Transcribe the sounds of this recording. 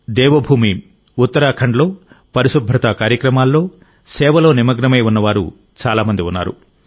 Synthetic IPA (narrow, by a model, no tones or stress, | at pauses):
d̪ɛːʋɐbʱuːmi | ut̪ːɐɾaːkʰɐɳɖlo̞ː | pɐɾiʃubʱɾɐt̪akaːɾjɐkɾɐmaːlːo̞ː | sɛːʋɐlo̞ːnimɐɡnɐmɐjunːɐʋaːɾṵ | t͡ʃaːlaːmɐnd̪iunːa̰ːɾṵ